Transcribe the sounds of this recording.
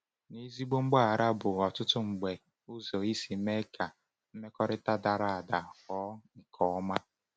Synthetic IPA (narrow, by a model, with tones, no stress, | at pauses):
ni˦zi˦ɡ͡bo˦ŋ͡m̩˦ɡ͡ba˦a˨ɾa˦bʊ˨ɔ˨tʊ˦tʊ˦ŋ͡m̩˨ɡ͡be˨ | u˦zo˨i˦si˨˦me˦ka˨ | m̩˦me˦kɔ˦ɾɪ˦ta˦da˨ɾa˦a˨da˨ɔ˦ŋ̩˨kʰɔ˨ɔ˦ma˦